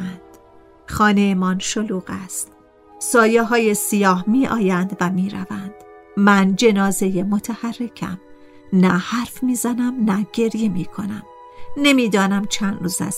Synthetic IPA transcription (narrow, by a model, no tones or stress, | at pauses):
nd̪̥ | xɒːnejemɒnʃoluːɣæst̪ | sɒːjeɦɒːjesijɒːhmiːʔɒ̰ːjænd̪væmiːɾæ̰vænd̪̥ | mænd͡ʒe̞nɒːze̞jemo̞t̪ʰæhærːe̞kʰæ̰m | næhæɾfmiːzænæmnæɟ̥e̞ɾje̞miːkʰo̞næm | ne̞miːd̪ɒːnæmt͡ʃʰænd̪ruːzæ̰s